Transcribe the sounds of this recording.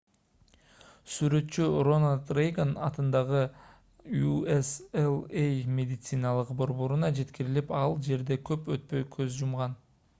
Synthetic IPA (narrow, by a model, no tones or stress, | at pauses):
syɾø̞t̪t͡ʃyro̞nalt̪rejɡanɑt̪ɯnd̪ɑʁɯ | jueselˠejmʲe̞d̪ʲɪt̪sɨnɑlˠɯqbo̞ɾβo̞ɾunɑd͡ʒe̞t̪kiɾilipɑlˠd͡ʒe̞ɾd̪e̞kʰø̞pøt̪̚pø̞jkʰø̞zd͡ʒumʁɑn